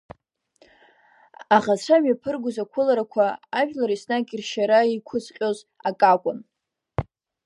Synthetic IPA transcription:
aʁaʈ͡ʂʷʰamɥapʰɨrɡʷʊzakʷʰʊlaɾakʷʰaːʒᶣlaɾisnakʼirʃaɾaikʷʰʊt͡sʰqʲʼoz | akʼakʷʼʊn

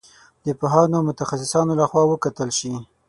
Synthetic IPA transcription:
d̪əpaɦɑnomʊt̪axasɪsɑnolaxwɑwəkat̪əlʃi

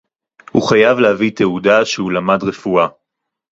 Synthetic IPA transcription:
hṵχajavlehavit̪eudaʃehulamadʁefua

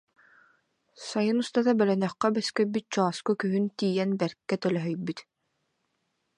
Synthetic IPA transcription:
sajɯnust̪at̪abœlœnœχkɛbɛskœjbyt̪̚t͡ɕɔːskukyɦynt̪iːjɛnbɛɾkːɛt̪œlœɦœjbyt̪

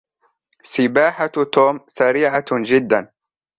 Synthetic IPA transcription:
sɪbaːħat̪oːmsaɾiːʕad͡ʒɪd̪ːan

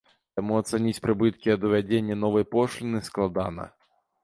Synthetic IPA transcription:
t̪amuɐt̪sɛnʲit͡sʲpɾɨbɨt̪kʲiɐd̪uvʲad͡zʲenʲːɐnɔvɐjpɔʂlʲinɨsklˠad̪anɐ̰

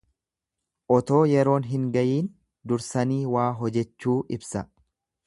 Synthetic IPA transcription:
ʔɔt̪o̞ːjɛɾo̞ːnɦɪŋɡɐjiːn | d̪ʊɾsɐniːwaːɦɔd͡ʒɛt͡ʃːuːʔɪbsɐ

